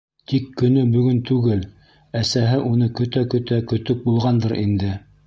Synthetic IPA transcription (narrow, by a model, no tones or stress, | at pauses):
t̪ikːɵ̆nɵbɵ̆ɡɵnt̪ʉɡɘl | æsæɦɘʔunɤkɵ̆t̪ækɵ̆t̪ækɵ̆t̪ɵk̚bulˠʁɑnd̪ɤɾʔḭnd̪ɘ